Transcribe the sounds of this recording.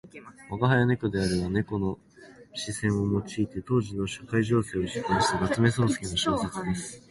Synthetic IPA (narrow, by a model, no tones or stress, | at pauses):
aɡaɦajane̞kod̪e̞aɾeβane̞ko̞no̞ | ɕisẽ̞ɰ̃o̞mo̞t͡ɕiːt̪e̞t̪o̞ːʑino̞ɕokaiʑo̞ːse̞ːoɕi̥koɕi̥t̪anat͡sɨme̞so̞ːsɨ̥kʲinoɕo̞ːse̞t͡sɨd̪e̞sɨ̥